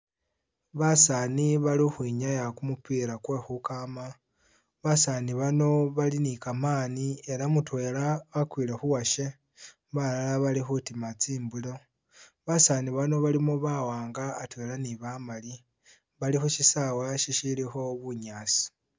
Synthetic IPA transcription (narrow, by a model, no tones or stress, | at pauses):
βasaniβalixwiɲajakumupiːɾakwexukama | βasaniβano̞βalinikamaːnie̞ɾamutwe̞ːlaβakwiːle̞xuwaʃe̞ | βalalaβalixutimat͡siːmbulo̞ | βasaniβano̞βalimoβawaːŋɡaːtwe̞ːlaniβamali | βalixuʃisawaʃiʃilixo̞βuɲaːsi̥